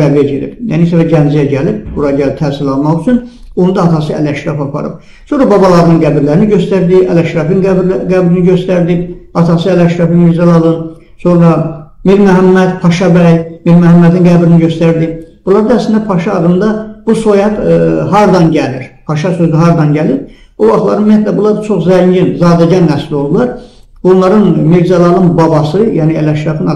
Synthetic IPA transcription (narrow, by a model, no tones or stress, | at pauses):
æɾved͡ʒeɾḭbjæ̰nisævæɟænd͡ʒijæɟælib̚buɾɑɟælp̚t̪ʰæːsilɑnmɑχyt͡ʃʰynonud̪ɑːt̪ʰɑs̬ɯæ̰læʃɾɑfɑpʰɑ̰ɾɯ̰b | so̞nɾɑbɑbɑlˠɑɾɯnɯŋɡæbiɾlæɾiniɟøst̪æɾd̪iælæʃɾɑfinɡɡæbɾiniɟøst̪æɾd̪ibɑt̪ʰɑsɯælæʃɾɑfimizɑlˠɑlˠɯn | so̞nɾɑmiɾmæɦæmːæd̪pʰɑʃɑbæjmiɾmæɦæmːæd̪inɡæbɾiniɟø̞st̪æɾd̪ib̥ulˠɑɾd̪æslind̪æpʰɑʃɑːd̪ɯmd̪ɑb̥usojɑt̪ɦɑɾd̪ɑnɟæliɾpʰɑʃɑsøzyɦɑɾd̪ɑnɟælip̚ | ovɑχt̪lˠɑ̰ɾɯnumijæt̪læbulˠɑɾt͡ʃʰo̞χzæɲɟinzɑːd̪æɟænːæsilolˠd̪ulˠɑɾ | onlˠɑɾɯnmiɾzɑlˠɑlˠɯnbɑbɑsɯjæniælæʃɾɑfin